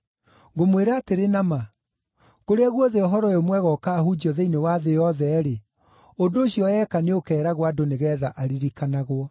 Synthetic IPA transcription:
ŋɡomweɾaːteɾenama | koɾeaɣwɔðeɔɦɔɾɔjomwɛɣɔkaːhud͡ʑiɔðeinewaðejɔðɛɾe | ondoːɕiɔɛkaneokɛːɾaɣwadoneɣɛːðaʔaɾiɾikanaɣwɔ

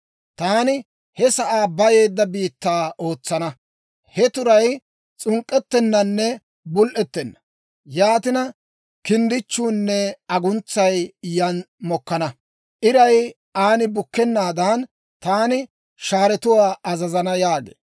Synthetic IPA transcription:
t̪aːnɪ | hɛsɐʔaːbɐje̞ːd̪ːɐbiːt̪ːaːo̞ːt͡sːɐnɐ | hɛt̪ʊɾɐj | t͡sʼʊŋkʼːɛt̪ːɛnːɐnːɛ | bʊlʔɛt̪ːɛnːɐ̥ | jaːt̪ɪnɐ | kɪnd̪ɪt͡ʃːuːnːɛɐɡʊnt͡sːɐjjɐn | mɔkːɐnɐ | ʔɪɾɐj | aːnɪbʊkːɛnːaːd̪ɐn | t̪aːnɪ | ʃaːɾɛt̪ʊwaːʔɐzɐzɐnɐjaːɡḛː

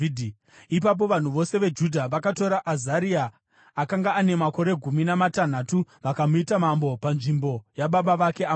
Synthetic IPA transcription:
ip̬ap̬o̞ʋan̤uʋo̞se̞ʋe̞d͡ʒudʱaʋakato̞ɾaʔazaɾiaː | kaŋɡaːne̞mako̞ɾe̞ɡʱuminamatan̤atuʋakamuitamambo̞panʐimbo̞jaɓaɓaʋake̞a

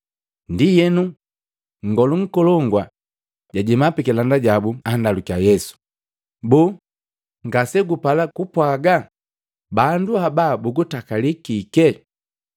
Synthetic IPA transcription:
ndijɛnu | ŋ̩ɡɔluŋ̩kɔlɔŋɡwa | ɟaɟɛmapɛkɛlandaɟabuandalukiajɛsu̥ | buː | ŋɡasɛɡupalakupwaɡa | banduhabaːbuɡutakalikikɛ

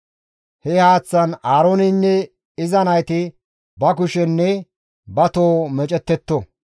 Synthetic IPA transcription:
hɛhaːt͡sːɐnaːɾonɪnːɛ | ɪzɐnɐjt̪ɪ | bɐkʊʃɛnːɛ | bɐt̪oːmɛt͡ʃʼɛt̪ːɛt̪ːɔ

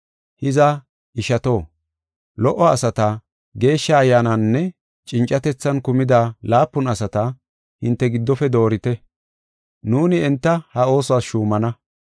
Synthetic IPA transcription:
hɪzɐ | ʔɪʃɐt̪o̞ː | lɔʔːɔɐsɐt̪ɐ | ɡe̞ːʃːɐːjːaːnanːɛ | t͡ʃʼɪnt͡ʃʼːɐt̪ɛt͡sːɐnkʊmɪd̪aːlaːpːʊnɐsɐt̪ɐ | hɪnt̪ːɛɡɪd̪ːɔfɛd̪o̞ːɾɪt̪ɛ | nuːnɪɛnt̪ːɐhɐo̞ːsʊaːsʃuːmɐnɐ

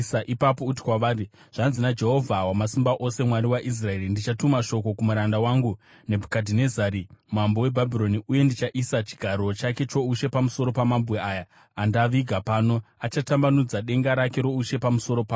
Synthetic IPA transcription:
aʔipapo̞ut̬i̥kwaʋaːri | ʐ̥anzinad͡ʒe̞ɦo̞vʱawamasimbaʔose̞mwaɾiwaʔis̬rae̞ːɾindit͡ʃatumaʃo̞ko̞kumuɾandawaːŋɡu | ne̞bʱukadʱine̞zaɾimambo̞we̞bʱabʱiɾo̞niuje̞ndit͡ʃaʔisat͡ʃi̥ɡʱaɾo̞t͡ʃake̞t͡ʃo̞uʃe̞pamuso̞ɾo̞pamambɣeaːja | andaʋiɡʱapaːno̞at͡ʃatambanud͡zaɗe̞ŋɡaɾake̞ɾo̞uʃe̞pamuso̞ɾo̞paː

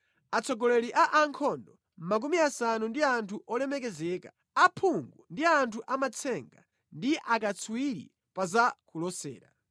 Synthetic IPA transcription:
at͡sʰɔɡɔlɛɾiʔaʔaŋkʰɔndɔ | m̩mak̬umiasanundiantʰuʔɔlɛmɛk̬ɛzɛːka | apʰuŋɡundiantʰuʔamat͡sʰɛŋɡa̰ | ndiʔakat͡sʰwiɾḭ | pazakulɔsɛ̰ːɾa̰

